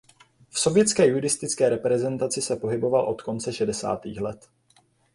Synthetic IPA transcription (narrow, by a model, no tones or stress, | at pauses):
fso̞vjɛt͡skɛːjudɪst̪ɪt͡skɛːɾɛpɾɛzɛnt̪at͡sɪsɛpo̞ɦɪbo̞valʔo̞t̪ko̞nt͡sɛʃɛdɛsa̰ːt̪ḭːxlɛt̪